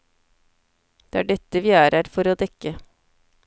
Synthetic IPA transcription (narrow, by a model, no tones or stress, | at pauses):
d̪̥eːæːɖʏt̪əʋiːæːɾʔæːɾfɔɾoːd̪ɛkə